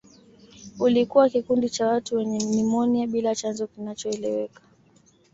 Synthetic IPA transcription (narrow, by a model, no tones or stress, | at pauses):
ulikuwakikundit͡ʃawatuwɛɲɛmimɔniaɓilat͡ʃanzɔkinat͡ʃɔɛlɛwɛkḁ